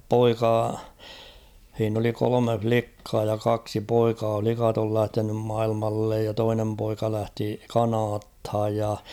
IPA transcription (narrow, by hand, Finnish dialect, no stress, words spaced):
poikɑ h̞iːn oli kolome flikːɑː jɑ kɑksi poikɑː flikɑt ol læhtenym mɑilmɑlːej jɑ toinem poikɑ læhti kɑnɑːthɑj jɑ